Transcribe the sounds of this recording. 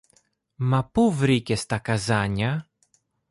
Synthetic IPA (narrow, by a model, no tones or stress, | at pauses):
mapuvɾikʲɛst̪akazaɲʲa